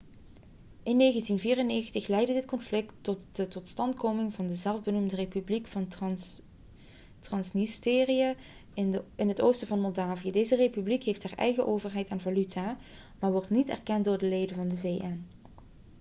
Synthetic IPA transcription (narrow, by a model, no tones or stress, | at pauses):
ʔɪnːejɣəntinviːrənejɣəntəxlɛjdədɪtkɔnflɪktɔtətɔtstɑntkowmɪŋvɑndəzɛlˠvbənumdərepyblikfɑn | trɑnsnisteːrija | ɪnɦətowstəvɑnmɔlˠdaːvijədejzərepyblikɦejftɦaːɹʔɛ̰jɣəʔoːwvərɦɛjtaːnvalytʰaː | maːɹʋɔɹtnitɛ̰rkɛntdʊːɹdəlejdənvɑndəveːʔɛn